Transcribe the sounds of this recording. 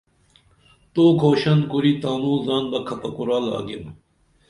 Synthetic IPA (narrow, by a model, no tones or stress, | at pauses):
t̪oːɡʰʱoːɕɐnkuɾiːt̪aːnuːzaːnbɐkʰɐpɐkuɾaːla̰ːɡem